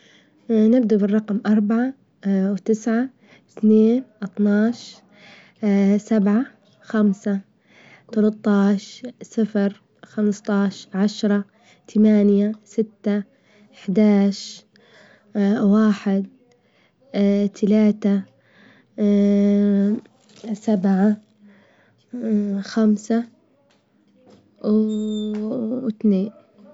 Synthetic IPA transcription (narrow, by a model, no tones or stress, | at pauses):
nɪbd̪abɪrˤːɑqmʔɑɾˤbaʕa | wt̪ɪsʕa | θneːnʔɑt̪ˤnɑːʃ | sabʕa | xamsa | t̪ɑlɑt̪ˤːɑːʃsɪfɾ | xamst̪ˤɑːʃʕaʃɾˤɑ | t̪ʰamaːnjasɪt̪ːa | ɪħd̪aːʃ | waːħɪd̪̚ | t̪ʰalaːt̪a | sabʕa | xamsa | t̪neːn